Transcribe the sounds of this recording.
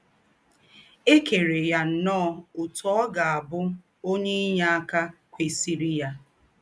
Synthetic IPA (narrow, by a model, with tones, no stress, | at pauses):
e˦ke˨ɾe˨ja˦n̩˨nɔː˦˨ʊ˨tɔ˦ɔ˦ɡa˨a˨bʊ˦ | o˦ɲe˦i˦ɲa˦a˦ka˦kʷe˨si˨ɾi˦ja˦